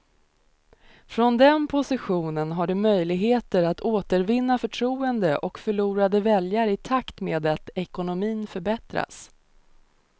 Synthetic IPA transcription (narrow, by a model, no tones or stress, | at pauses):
fɾɔnd̪ɛnpʰʊsɪɧuːnənɦaɖɵmœjlɪɡɦeːt̪əɾat̪oːt̪əɾvɪnːafœʈʰɾuːənd̪əʔɔkfœɭuːɾad̪əvɛljaɾɪt̪ʰakt̪meːd̪at̪ɛkʊnʊmiːnfœɾbɛt̪ɾa̰s